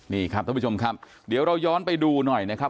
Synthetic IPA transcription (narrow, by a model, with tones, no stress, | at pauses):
niː˧˩kʰɾa˦˥p̚t̪ʰːt͡ɕʰo˧mkʰa˦˥p̚ | di˩˦wɾa˧wjɔː˦˥npa˧jduː˧nɔ˨˩jna˦˥kʰa˦˥